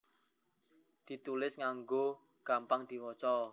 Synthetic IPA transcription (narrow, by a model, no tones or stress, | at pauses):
d̪̥i̤t̪ulɪsŋaŋɡo | ɡ̥ampaŋd̪̥i̤wɔt͡ʃɔ